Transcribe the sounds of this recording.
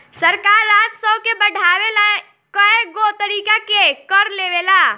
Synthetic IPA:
səɾkaːɾːaːd͡ʒsɔkebəɽʱaːwela | kəeɡot̪əɾiːkakekəɾleːʋelaː

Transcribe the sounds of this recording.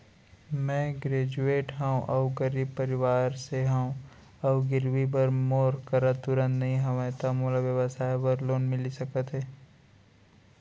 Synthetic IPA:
mɛ̃ːɡɾeːd͡ʒueːʈɦɛũʔɐʊɡɐɾiːb̚pɐɾɪʋaːɾseɦɛũ | ɐʊɡɪɾwibəɾmoːɾkəɾat̪ʊɾə̃nt̪nɐɦĩɦɐʋẽt̪amoːlaʋjəʋəsaːjbəɾloːnmɪlisɐkət̪ɦɛː

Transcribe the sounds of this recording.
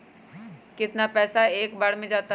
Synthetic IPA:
kɪt̪napɛːsaeːkbaːɽmẽd͡ʒaːt̪a

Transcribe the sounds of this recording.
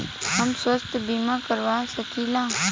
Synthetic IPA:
ɦəmswəst̪biːmakəɾʋaːsəkʰiːlãː

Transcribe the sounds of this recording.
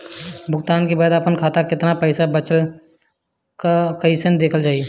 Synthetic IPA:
bʱʊɡt̪aːnkebaːd̪apənkʰaːt̪akɪt̪napɛːsabət͡ʃəl | kakəisɪnd̪eːkʰəld͡ʒaːi

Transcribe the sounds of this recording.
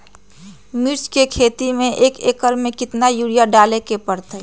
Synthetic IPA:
mɪɾt͡ʃkekʰeːt̪imẽʔeːkeːkəɾmẽkɪt̪najuɽijaɖaːlekepəɾt̪ə

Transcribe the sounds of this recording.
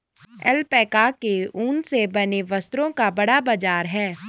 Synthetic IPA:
ɛ̰lpɛːkakeuːnsebɐneʋɐst̪ɾõkabɐɽabad͡ʒaːɾɦɛː

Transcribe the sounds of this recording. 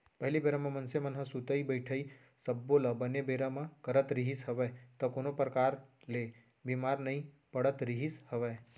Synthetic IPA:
pəɦlibeɾãmãmənsemənɦəsut̪əibəjʈʰəi | səbːolabənebeɾamãkəɾət̪ɾiɦisɦəʋet̪əkonopɾəkaɾle | bimaɾnəĩ | pəɽət̪ɾiɦishəʋe

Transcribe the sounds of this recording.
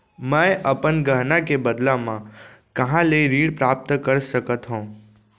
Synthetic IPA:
mə̃eʔəpənɡəɦnakebəd̪lamãkəɦãləiɾiɽpɾap̚t̪kəɾʃəkət̪ɦõ

